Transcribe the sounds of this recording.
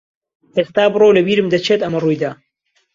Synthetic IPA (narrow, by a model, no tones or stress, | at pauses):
ʔest̪aːbɨroːwlɐbiːɾɨmd̪ɐt͡ʃʰet̪ɐmɐrujd̪aː